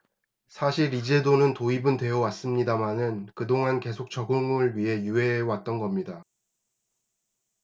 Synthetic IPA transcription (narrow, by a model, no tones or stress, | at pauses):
sʰaɕʰiɾid͡ʑe̞donɯntoibɯndwe̞ʌwas͈ɯmɲidamanɯnkɯdoŋanke̞sʰok̚t͡ɕʌɡɯŋɯɭɥiɦe̞jue̞wat̚t͈ʌnɡʌmɲida